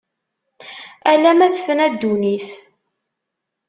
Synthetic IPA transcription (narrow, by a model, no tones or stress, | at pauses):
ælæmæθəfənæd̪ːuniθ